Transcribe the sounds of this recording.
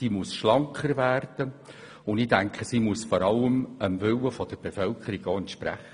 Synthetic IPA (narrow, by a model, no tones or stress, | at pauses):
imuəsʃlɑŋkʰəɾvæːrd̪̥ə | ʊnd̪ɪdæŋkχəsimuəsfɔɾɑlːəməmvʏlːəfɔd̥̪əɾb̥efœlkʰəɾiɡ̥ɔːɛntʃpɾæ̰χə